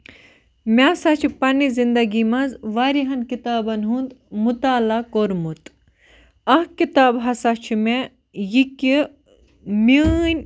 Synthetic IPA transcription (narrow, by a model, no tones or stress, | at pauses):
mʲasɐt͡ʃʰipɐnizind̪ɐɡimɐzʋaɾiɦɐnkit̪aːbɐnɦund̪mut̪aːlakoɾmut̪ | ɐɦkit̪aːbɦɐsɐt͡ʃʰime | jiki | minʲ